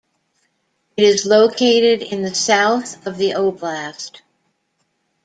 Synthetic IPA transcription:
ɨɾɨzloʊkʰeɪɾɪɾɪ̃nðɨsaʊθʌvðiʔoʊblæst

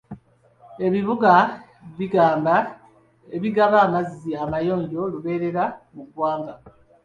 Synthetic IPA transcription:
e̞βiβuɡa | βiɡaːmba | e̞βiɡaβaːmaziamajo̞ːɲɟo̞luβe̞ːɾe̞ɾamukwaːŋɡa

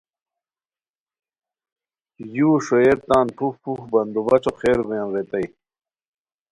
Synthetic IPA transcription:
juːʂoeɾt̪aːnpʰufpʰuxbɐnd̪ubɐt͡ɕoqʰeːɾɡujɐ̃nɾet̪ɐj

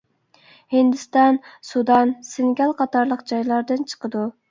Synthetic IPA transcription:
hind̪ɪst̪ɑnsud̪ɑnsɪŋɡʲɑlˠqʰɑt̪ɑɾlˠəqd͡ʒɑjlˠɑɾd̪ɨnt͡ʃʰə̥qəd̪u

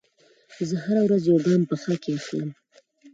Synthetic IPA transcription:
zəhaɾawɾazjoɡɑmpəxəkeaxləm

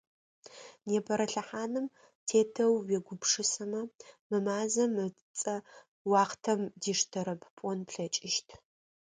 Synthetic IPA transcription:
neːpʰɐɾɐɬɐħaːnɨm | tʰeːtʰɐwːɛɡʷʊpʂɨsɐmɐmɨmaːzɐmɨ | t͡sʼɐ | wɑːχtʰɐmdiːʂtʰɐɾɐbpʷʼɔnpʰɬɐt͡ʃʼɪʃtʰ

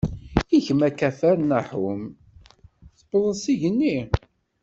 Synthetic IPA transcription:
içəmækæfæɾnaħum | θəbəðˤəsiʝənːi

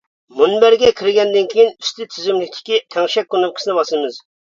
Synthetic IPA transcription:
munbæɾɡʲɛkʲʰiɾɡʲɛnd̪ɪnkʲʰijinyst̪ʰɪt̪ʰyzymlɪkʲt̪ʰɪ̥kʲit̪ʰɛŋʃɛk̚ʲkːunɨp̚qʰsnɪbɑsɨmɨz

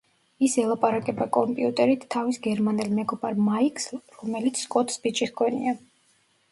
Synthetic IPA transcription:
isɛlˠapʼaɾakʼɛbakʼɔmpʼiut̪ʼɛɾit̪ʰːavisɡɛɾmanɛlmɛɡɔbaɾmaiksɾɔmɛlit̪sʰskʼɔt̪ʰsbit͡ʃʼiʁɡʰɔnḭa

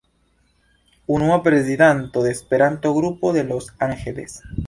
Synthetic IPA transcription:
unwapɾesiðant̪oðespeɾant̪oɣɾupoðelosaŋxeles

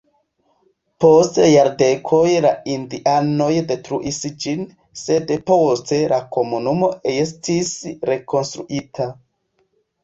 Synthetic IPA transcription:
po̞stejaɾde̞kʰo̞jlaindiʔano̞jde̞tɾuʔisd͡ʒin | se̞dpo̞ste̞lako̞munumo̞es̬tisɾe̞ko̞nstɾṵʔitʰa

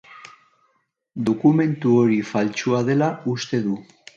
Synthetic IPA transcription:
d̪o̞kume̞nt̪uoɾifalt͡ʃuað̞e̞laust̪e̞ðu

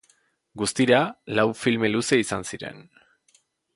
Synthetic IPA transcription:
ɡust̪iɾalawfilme̞luse̞isansiɾe̞̰n

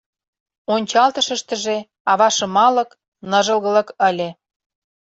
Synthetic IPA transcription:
onʲt͡ɕɑlt̪ə̆ʃə̆ʃt̪ə̆ʒe | ɑβɑʃɤ̆mɑlɤ̆k | nɤ̆ʒə̆lɣə̆lə̆kəlʲĕ

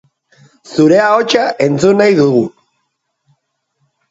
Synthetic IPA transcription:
suɾe̞ao̞t͡ʃaʔe̞nt͡sunajðuɣ̞u

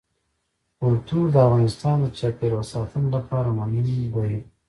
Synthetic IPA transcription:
ʊlt̪uɾd̪əafɣɑnɪst̪ɑnd̪ət͡ʃapeɾwasɑt̪unolapɑɾamanuiwaji

